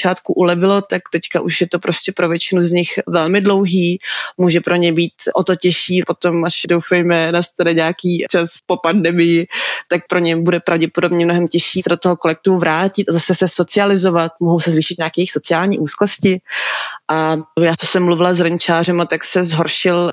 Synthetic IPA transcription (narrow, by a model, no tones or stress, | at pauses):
t͡ʃaːt̪kuʔulɛvɪlo̞t̪akt̪ɛckaʔuʃjɛt̪opɾoscʲɛpɾo̞vjɛt͡ʃɪnuzɲɪxvɛlmɪdlo̞wɦiːmuːʒɛpɾʔo̞ɲɛbiːt̪ʔot̪o̞cɛʃiːpo̞t̪o̞maʃdowfɛjmɛnast̪anɛɲɛakiːt͡ʃaspo̞pandɛmɪjɪt̪ak̚pɾʔoɲɛbudɛpɾavɟɛpodobɲɛmnoɦɛmcɛʃiːsɛdot̪oɦokolɛk̚t̪uvɾaːcɪt̪azasɛsɛso̞t͡sɪalɪzo̞vat̪̚moɦowsɛzviːʃɪt̪̚ɲaːkɛjɛjɪxso̞t͡sɪaːlɲiːʔuːskoscɪʔajaːt͡sosɛmːluvɪlazɾɛɲt͡ʃaːr̝ɛmat̪aksɛzɦoɾʃɪl